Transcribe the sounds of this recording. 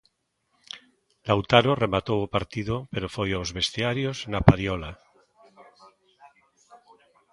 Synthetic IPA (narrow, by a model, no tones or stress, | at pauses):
lawt̪aɾoremat̪owopaɾt̪iðopeɾofojawzβe̞st̪eaɾjoznapaɾjola